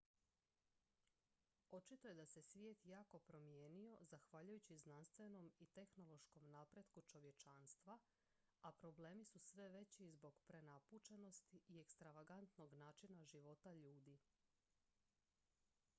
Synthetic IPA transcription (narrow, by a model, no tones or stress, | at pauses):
o̞t͡ʃit̪o̞je̞d̪ase̞sʋjeːt̪jaːko̞pɾo̞mjeːnio̞zaxʋaːʎujut͡ɕiznanst̪ʋe̞no̞mit̪e̞xno̞lo̞ʃko̞mnaːpɾe̞d̪kut͡ʃo̞ʋje̞t͡ʃaːnst̪ʋa | apɾo̞ble̞ːmisusʋe̞ʋe̞t͡ɕizbo̞ɡpɾe̞naput͡ʃeno̞st̪iie̞kst̪ɾaʋaɡant̪no̞ɡnaːt͡ʃinaʒiʋo̞t̪aʎuːd̪i